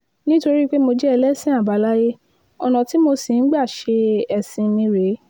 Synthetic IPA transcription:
nĩ˦to˧ɾi˦k͡pe˦mo˧d͡ʒɛ˦ɛ˧lɛ˦sĩ˦a˦˨ba˨˦la˦je˦ | ɔ˧nã˨ti˨˦mo˧si˨n̩˦ɡ͡ba˦˨ʃe˧ɛ˨sĩ˧mĩ˧ɾe˨˦

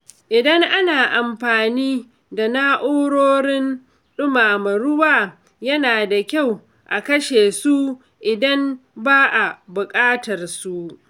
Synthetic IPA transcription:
ʔɪ˨dɐ˦ŋʔa˦naː˨ʔa˨mɸaː˨niː˦ | da˨naː˦ʔoː˦ɽoː˦ɽɪ˦n | ɗʊ˦maː˨mɐ˨ɾʊ˦waː˦ | jɐ˦naː˨da˨kʲa˦˨w | ʔa˨kɐ˦ʃeː˨su˦ | ʔɪ˨dɐ˦mbaː˦ʔa˨bʊ˨kʼaː˦tɐ˨rsu˦ʔ

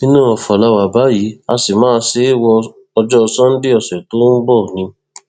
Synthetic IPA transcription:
nĩ˦nũ˦ɔ˨fɔ˨la˧wa˨ba˨˦ji˨˦a˧si˨mãː˦˧se˦wɔ˧ | ɔ˧d͡ʒɔ˦˧sɔ̃˦n̩˦de˦ɔ˨sɛ˨to˦n̩˦bɔ˦˨nĩ˨˧

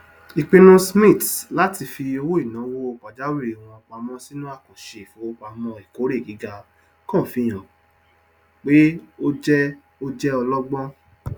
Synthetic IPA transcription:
i˨k͡pĩ˧nũ˦smĩ˦˨tla˦ti˧fi˧o˧wo˦i˦˨nã˨˦wo˦o˧˨k͡pa˨d͡ʒa˦we˦˨w̃ɔ̃˧ɔ˧k͡pa˧mɔ̃˦si˦nũ˦a˦˨ko˨ʃe˨fũ˨˦o˦k͡pa˧mɔ̃˧i˨ko˨˦ɾe˦˨ɡi˨˦ɡa˧ | kɔ̃˦˨fi˧j̃ɔ̃˨ | k͡pe˦o˦d͡ʒɛ˦ | o˦d͡ʒɛ˦ɔ˧lɔ˦ɡ͡bɔ̃˦

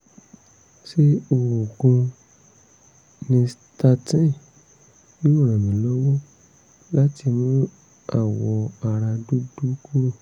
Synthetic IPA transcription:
ʃe˦o˧wo˨ɡũ˧ | nĩ˧s | ta˧tĩ˦ | nĩ˦o˦˨ɾɛ̃˨mĩ˨˦lɔ˦wo˦ | la˦ti˧mũ˦ | a˦˨wɔ˧a˧ɾa˧du˦du˦ku˦ɾo˦˨

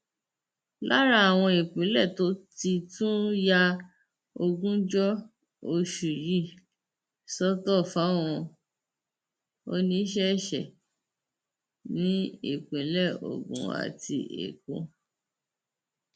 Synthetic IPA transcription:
la˦ɾa˦a˨w̃ɔ̃˧e˨k͡pẽ˨˦lɛ˦˨to˨˦ti˧tũ˦ja˦ | o˧ɡũ˦d͡ʒɔ˦ | o˧ʃu˨ji˦˨ | sɔ˦tɔ˦˨fa˨˦w̃ɔ̃˧ | o̰˧nĩ˧˦ʃ̬ɛ˦˨ʃɛ˨ | nĩ˨˦e˨k͡pẽ˨˦lɛ˦˨o̰˨ɡṵ̃˨a̰˨tʰi˧ʔḛ˨kõ̰˨˧

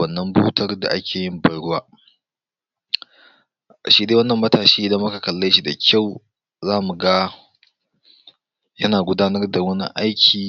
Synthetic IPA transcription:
wɐ˦˨nːɐ˦mbuː˦tʰɐ˦rda̰˨ʔa˦kʲeː˨jɪ˦mbɐ˨˦jɽʊ˦waː˦˨ | ʃiː˦deː˦wɐ˦nːɐ˨mːɐ˦taː˨ʃiː˦ʔɪ˨dɐ˦mːʊ˦ka˨kɐ˨lːɐ˦ʃi˨da˨kʲa˦˨w | zaː˦mu˨ɡaː˦ | jɐ˦naː˨ɡʷʊ˦daː˦nɐ˦rda˨wɐ˦nḭ˦ʔa˦jkʲʰiː˨

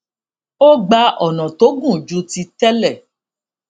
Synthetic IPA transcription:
o˦ɡ͡ba˧ʔɔ˨nã˨to˨˦ɡũ˦˨d͡ʒu˧˦ti˧tɛ˦lɛ˦˨

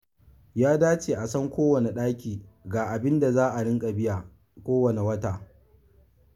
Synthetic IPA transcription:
jaː˦daː˦t͡ʃeː˨ʔa˨sɐ˦ŋkʷoː˦wɐ˨ne˨ɗaː˦kʲiː˨ɡaː˨ʔa˨bɪ˦nda˨zaː˦ʔa˨ɽɪ˦ŋkʼa˨bɪ˦jaː˨ | kʷoː˦wɐ˨ne˨wɐ˦taː˨

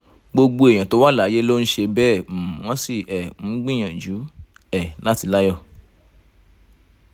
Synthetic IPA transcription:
ɡ͡bo˧ɡ͡bo˧e˨j̃ã˨to˨˦wa˦la˨˦je˦lo˦n̩˦ʃe˧bɛ˦˨m̩˨w̃ɔ̃˦si˦˨ɛ˨m̩̃˨˦ɡ͡bĩ˦˨j̃ã˨d͡ʒu˨˦ | ɛ˦˨la˦ti˧la˦jɔ˦˨

